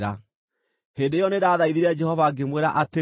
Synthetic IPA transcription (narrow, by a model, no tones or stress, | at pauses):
ɾa | heːndeejɔneɾaːðaiðiɾad͡ʒɛhɔvaɡemweɾaʔate